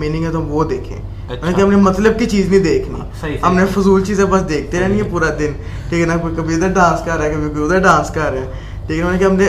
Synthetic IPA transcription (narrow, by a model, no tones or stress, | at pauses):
miːnɪ̃ŋɡɛ̃ːt̪̬omboːd̪eːkʰḛ̃ː | neːkiɦəmnẽːmət̪ləb̚kɪt͡ʃiːznĩːd̪eːkʰnḭː | əmnẽːfʰʊzuːlt͡ʃiːzẽːbəsd̪eːkʰd̪eːɾɛːnĩepuːɾaːd̪ɪn | ʈiːknaːkoːikəbiːd̪aːɖãːnskəɾːɛːkəbiːbid̪aːɖãːnskəɾːeɛː | ʈiːknoːnẽːkɪɦəmnẽ